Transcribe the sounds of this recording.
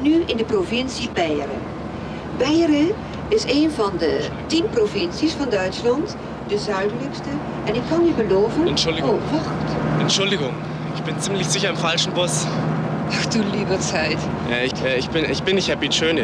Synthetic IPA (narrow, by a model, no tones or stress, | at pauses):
nyʔɪndəprovɪnsibɛjrə̰ | bɛjrə | ɪseːnvɑndə | timprovɪnsisfɑndœɥtslɑnt | dəzœɥdləkstə | ʔɛnɪkʰːɑnybəloːvənɛntʃʊloːvɔrtʔɛntʃʊldɪɡʊŋ | ɪçb̥ɪnt͡simlɪçz̥ɪçɐɪmfalʃn̩bʊs | haxd̥uliːbət͡sɛɪt | ʔɛɪçɛɪçb̥ɪnɪçb̥ɪnːɪçthɛpitøːn